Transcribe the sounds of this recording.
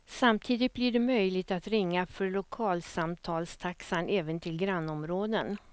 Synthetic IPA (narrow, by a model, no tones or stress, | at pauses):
samt̪ʰiːd̪ɪt̪̚blɪɖɛmœjlɪɡt̪at̪ɾɪŋːafœɾɭʊkʰɑːlsamt̪ʰɑːlst̪ʰaksanʔɛːvənt̪ʰɪlɡɾanːɔmɾoːd̪ən